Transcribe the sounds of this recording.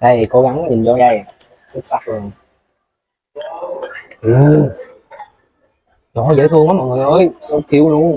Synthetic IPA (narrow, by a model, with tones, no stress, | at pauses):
ɗa˧˩jko˧˦ɣa˨˦ŋ˦ɲi˨˩nt͡ɕɔ˧ɗa˧j | sɨ˦˥k̚sa˦˥k̚lo˨˩n | ʔɨ˨˩ | ɗɔ˨˦zə̰˧˨˦t̪ʰɨ˧əŋɔː˨˦mɔ̰˨ŋɨ˨˩jʔəː˨˦jsɔ˧˦ki˨˦əwnʊ˨˧˦